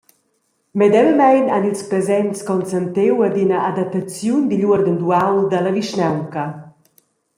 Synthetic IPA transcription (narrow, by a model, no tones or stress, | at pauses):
mɛd̪ɛlmɛjnanilˠspɾəzɛɲskɔnsənt̪ewəd̪inəʔad̪ap̚t̪at͡sjund̪iʎuəɾd̪ənd̪uawd̪ələviʃnɛwkə